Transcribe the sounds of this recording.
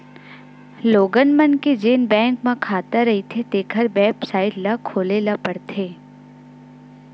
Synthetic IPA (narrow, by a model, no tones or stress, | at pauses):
loːɡənmənked͡ʒeːnbɛ̃ːŋkmãkʰaːt̪aɾɐɦit̪ʰet̪eːkʰəɾbɛːpsaːɪʈlakʰoːlelapɐɽt̪ʰeː